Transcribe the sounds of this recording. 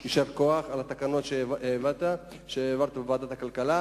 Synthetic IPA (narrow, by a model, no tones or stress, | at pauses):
kiʃevko̞aχalat̪akano̞t̪ʃeevat̪a | ʃeeːvaʁt̪abevaːd̪at̪akalkala